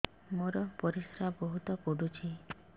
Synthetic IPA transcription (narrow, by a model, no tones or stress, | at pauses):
moɾɔpɔɾisɾabɔɦut̪ɔpuɖut͡ʃʰi